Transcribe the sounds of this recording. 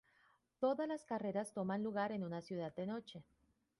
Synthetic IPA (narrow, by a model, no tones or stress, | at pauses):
t̪o̞ðazlaskare̞ɾast̪o̞manluɣaɾe̞nunasjuðad̪ːe̞no̞t͡ʃe̞